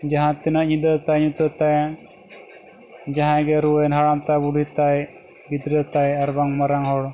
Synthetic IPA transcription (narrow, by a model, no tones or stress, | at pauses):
d͡ʒɐɦãt̪inaʔɲid̪ət̪ajɲut̪ət̪aja | d͡ʒaɦãɡeɾuenɦaɽamt̪abuɽʱit̪aj | ɡid̪ɾet̪ajɐɾbaŋmɐɾaŋɦɔɽ